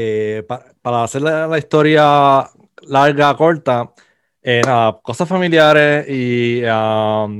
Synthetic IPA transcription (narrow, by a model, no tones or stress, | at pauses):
epa | paɾaːseɾlalaist̪o̞ɾja | laɾɣako̞ɾt̪a | enaðako̞sasfamiljaɾesia